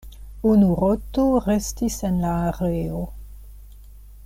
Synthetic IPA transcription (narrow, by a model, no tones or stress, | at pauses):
unuɾotoʁestisenlaːʁeo